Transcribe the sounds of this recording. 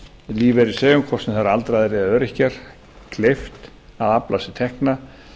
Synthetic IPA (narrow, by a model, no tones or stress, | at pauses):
liːvɛɾisɛːɣʏmkʰvɔrsnɪθaɾalt̪ɾajðɾɪðaœːɾɪhcaɾ̥ | kʰleft̪ | aðaplasɪt̪ʰɛhkna